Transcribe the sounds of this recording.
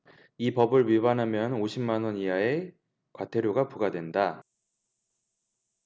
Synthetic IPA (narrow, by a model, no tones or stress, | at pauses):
ipʌbɯɭɥibanɦamjʌnoɕʰimːanwʌniae̞ | kwatʰe̞ɾjoɡapuɡadwe̞nda